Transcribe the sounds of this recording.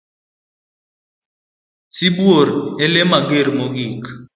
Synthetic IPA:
sibwoɾelemaɡeɾmoɡik

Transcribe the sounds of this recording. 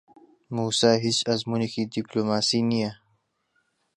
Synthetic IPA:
muːsaːɦisɐzmunekidiploːmaːsinija

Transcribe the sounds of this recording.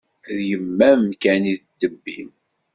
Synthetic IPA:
ðjəmːæmkæniðd̪̥ːəbːḭm

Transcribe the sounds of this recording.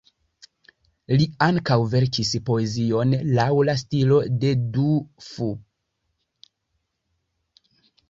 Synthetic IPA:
liaŋkawve̞ɾkispo̞e̞zio̞nlawlastilo̞de̞dufu

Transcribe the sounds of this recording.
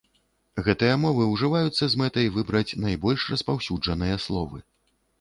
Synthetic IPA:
ɣɛt̪ɨjɐmɔvɨwʐɨvajut̪sːɐzmɛt̪ɐjvɨbɾɐt͡sʲnajbɔlʲʂrɐspawsʲud͡ʐɐn̪ɨjɐslˠɔvɨ̰

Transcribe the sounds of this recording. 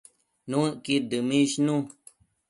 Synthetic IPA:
nũkid̪ɨmĩʃnũ

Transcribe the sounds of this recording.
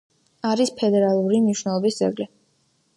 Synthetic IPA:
aɾispʰɛd̪ɛɾalˠuɾimniʃnɛlˠɔbisd̪zɛ̰ɡli

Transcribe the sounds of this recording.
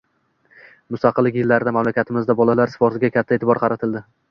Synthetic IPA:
mʊst̪ɑqʰɨlːɪkʲjɪlːaɾɪd̪amamlakʲat̪ʰɪmɪzd̪abɒlalaɾsɪ̥fɒɾsɪɡʲakʲʰat̪ʰːaet̪ʰɪbɒɾqʰɑɾat̪ʰɪld̪ɪ

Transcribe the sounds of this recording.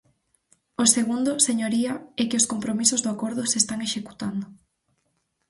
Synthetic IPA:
oseɣund̪ʊseɲoɾiɐɛkɪʊskompɾomisʊzðoakoɾð̞ʊsest̪aŋeʃeku̥t̪and̪ʊ

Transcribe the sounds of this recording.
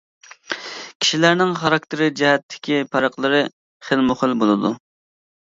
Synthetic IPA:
kʲʰi̥ʃilæɾnɪŋχɑɾɑk̚ʲt̪ɪɾɪd͡ʒɛɦɛt̪ʰːɪ̥kʲʰipʰɑɾəqlˠɨɾɨ | χəlmʊχəlˠbolˠɨd̪u

